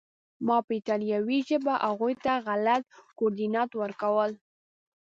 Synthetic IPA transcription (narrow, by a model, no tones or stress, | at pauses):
mɑpəit̪ɑlijɑwiʒəbaʔaɣujt̪aɣalat̪̚koɾd̪inɑt̪wəɾkawəl